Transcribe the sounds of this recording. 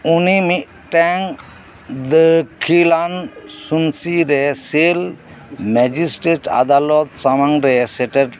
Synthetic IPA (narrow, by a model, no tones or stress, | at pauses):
unimiʔ | ʈɛŋ | d̪əkʰilansunsiɾesel | mɛd͡ʒisʈɾeʈa̰d̪alɔt̪samaŋɾɛseʈeɖ